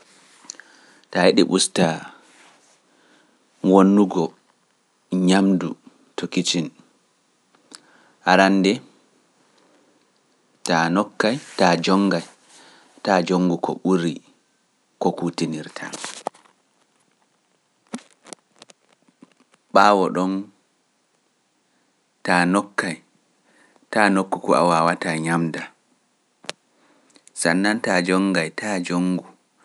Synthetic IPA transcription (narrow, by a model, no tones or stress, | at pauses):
tajeɗḭɓusta | wonːuɡɔ | ɲamdu | tokit͡ʃin | haɾandɛ | tanɔkːajtad͡ʒɔŋɡaj | tad͡ʒoŋɡukɔ̰ɓuɾi | kɔkutiniɾtʰa̰ | ɓaːwɔɗɔn | tanɔkːaj | tanokːukɔa̰wawataɲamda | sanːantad͡ʒɔŋɡajtʰaːd͡ʒoŋɡu